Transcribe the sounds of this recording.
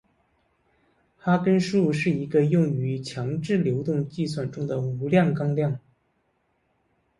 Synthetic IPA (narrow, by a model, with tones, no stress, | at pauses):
xa˥kə˥nʂu˥˩ʂɻ̩˥˩i˧˥ɡə˧jʊ˥˩ŋy˧˥t͡ɕʰjɑ˧˥ŋʈ͡ʂɻ̩˥˩ljo˧˥ʊt̪ʊ˥˧ŋt͡ɕi˥˧swa˥˩nʈ͡ʂʊ˥ŋd̪ə˨u˧˥ljɑ˥˩ŋkɑ˥ŋljɑ˥˩ŋ